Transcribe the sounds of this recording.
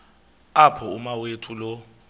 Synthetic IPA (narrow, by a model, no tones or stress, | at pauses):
apʰɔumawetʰulɔ